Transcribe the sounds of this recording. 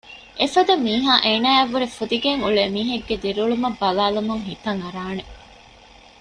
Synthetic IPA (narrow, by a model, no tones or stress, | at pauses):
ʔefɐd̪ɐmiːɦaːʔeːnaːɐʋːuɾefud̪iɡeŋuɭeːmiːɦɐɡːed̪iɾuɭumɐbːɐlaːlumuŋɦit̪ɐŋɐɾaːne